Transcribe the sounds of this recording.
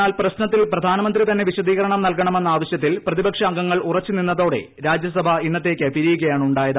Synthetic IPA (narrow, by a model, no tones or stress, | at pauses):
aːlprɐɕnɐt̪ːilprɐd̪ʱaːnɐmɐnd̪rit̪ɐnːe̞ʋiɕɐd̪iːɣɐɾɐɳɐmnɐlkɐɳɐme̞nːɐaːʋɐɕjɐt̪ːilprɐðibɐkʂɐːŋɡɐŋːɐɭurɐt͡ɕːuninːɐðo̞ːɽe̞̰ | ɾaːd͡ʑjɐsɐbʱɐinːɐt̪ːe̞ːkʲːɨpiɾijuɣɐjaːɳuɳɖaːjɐðɨ